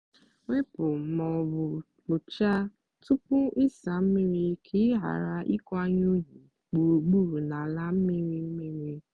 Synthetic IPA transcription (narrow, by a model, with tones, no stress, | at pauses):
ŋʷe˦pʊ˨mɔ˨bʊ˨ | lʊ˨t͡ʃa˦ | tʊ˦pʊ˦ɪ˦sa˨m̩˦mɪ˦ɾi˦kʰɪ˦ɦa̰˨ɾa˦ʔi˦kɔ˦a˦ɲ˦o˦ɲi˨ | k͡pu˨ɾu˨ɡ͡bu˦ɾu˨na˨la˦m̩˦mɪ˦ɾi˦m̩˦mi˦ɾi˦